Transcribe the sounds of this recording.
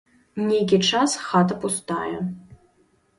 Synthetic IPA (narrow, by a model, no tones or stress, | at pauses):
nʲekʲiʈ͡ʂasxat̪ɐpust̪a̰jɛ